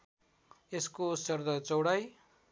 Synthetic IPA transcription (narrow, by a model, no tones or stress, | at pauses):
eskosʌrd̪ʌt͡sʌwɽaj